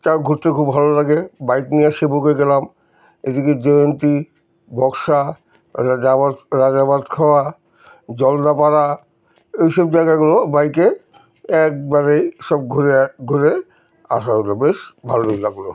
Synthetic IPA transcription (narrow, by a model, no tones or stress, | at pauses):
taɡʱuɾt̪ekʰubʱalolaɡebajkniaʃebokeɡelam | ed̪iked͡ʑɔjont̪i | bɔkʃa | abaɾad͡ʑabad̪kʰaoa | d͡ʑɔld̪apaɾa | ejʃɔb̚d͡ʑajɡaɡulobajke | ɛk̚baɾejʃɔbɡʱoɾeɡʱoɾe | a̰ʃaɦolobeʃbʱalobilaɡlo